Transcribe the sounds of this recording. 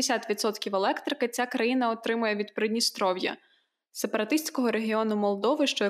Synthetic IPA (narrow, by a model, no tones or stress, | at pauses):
esʲat̪ʋʲit̪sɔt̪kʲiwelˠɛkt̪ɾɪkɐɪt͡sʲakɾɐjinɐɔt̪ɾɪmʊjɛʋʲid̪pɾed̪ʲnʲist̪ɾɔwjɐ̰ | se̞pɐɾɐt̪ɪsʲt͡sʲkɔɦɔɾeɦʲiɔnʊmɔlˠd̪ɔʋɪʃt͡ʃɔɐ